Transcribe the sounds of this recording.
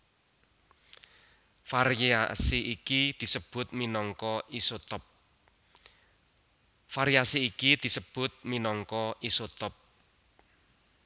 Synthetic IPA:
faɾasiʔikid̪̥i̤səb̥ʊ̤t̪̚minɔŋkɔisot̪ɔp̚ | faɾiasiːkid̪̥i̤səb̥ʊ̤t̪̚minɔŋkɔʔisot̪ɔp̚

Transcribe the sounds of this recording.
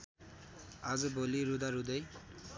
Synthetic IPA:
ad͡zʌboliɾud̪aɾud̪ʌj

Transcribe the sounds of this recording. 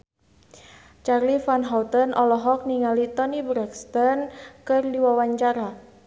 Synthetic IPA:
t͡ʃarlifanɦawt̪ənʔɔlɔɦɔk̚niŋalit̪ɔnibɾɛkst̪ɔnkɨrdiwawaɲt͡ʃaɾa

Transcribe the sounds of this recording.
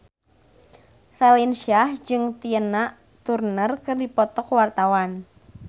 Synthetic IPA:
ralinsiahd͡ʒɨŋt̪iənaʔ | t̪urnərkərdipɔt̪ɔkwart̪awan

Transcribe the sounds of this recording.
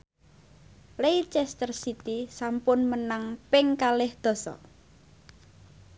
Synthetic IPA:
lejt͡ʃɛst̪ərsit̪isampʊnmənaŋpɪŋkalɪhd̪̥ɔ̤sɔ̰

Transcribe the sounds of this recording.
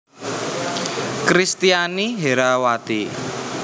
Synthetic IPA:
kɾist̪ianiɦeɾawat̪i

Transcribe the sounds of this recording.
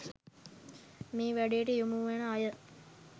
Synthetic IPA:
miːʋæɖejeʈəjumuʋenəajə

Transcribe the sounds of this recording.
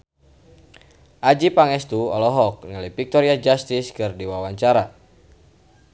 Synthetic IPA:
ʔad͡ʒipaŋɛst̪uɔ̰lɔɦɔk̚ŋalifik̚t̪ɔɾiad͡ʒast̪ɪskɨrdiwawaɲt͡ʃaɾa

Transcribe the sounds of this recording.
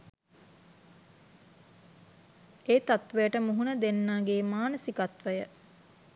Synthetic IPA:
eːt̪at̪ʋejəʈəmuɦunəd̪enːaːɡeːmaːnəsikat̪ʋəjə

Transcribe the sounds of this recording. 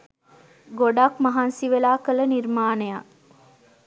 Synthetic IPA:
ɡoɖakmɐɦansiʋelaːkələniɾmaːneja

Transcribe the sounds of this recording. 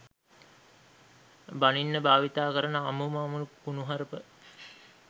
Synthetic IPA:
baninːəbaːʋit̪aːkəɾənəamumaːmulukunuɦaɾəpə

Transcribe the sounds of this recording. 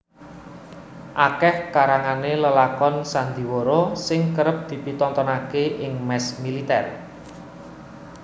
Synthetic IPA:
ʔakɛhkaɾaŋaneləlakɔnsand̪i̤woɾosɪŋkəɾəp̚d̪̥i̤pit̪ɔnt̪ɔnakeʔɪŋmɛsmilit̪ɛ̰r

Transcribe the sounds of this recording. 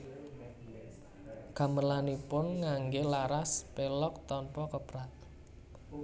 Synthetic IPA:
ɡ̥ä̤məlanipʊnŋaŋɡelaɾaspelɔk̚t̪ɔnpɔkəbɾat̪̚

